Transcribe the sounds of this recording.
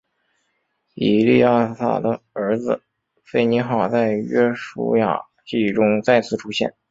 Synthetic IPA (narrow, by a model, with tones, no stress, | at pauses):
i˨˩lḭ˥˧ja˥˧sa̰˥˩d̪ə˩ə˞˧˥d͡zɹ̩˧ | fe˥˩ɪni˧˥xɑ˥˨˩t͡sa˥˩ɪɥɛ˥ʂṵ˥ja̰˨˩ | t͡ɕi˥˩ʈ͡ʂʊ˥ŋt͡sa˥˧ɪt͡sʰɹ̩˥˩ʈ͡ʂʰu˥ɕjɛ̰˥˩n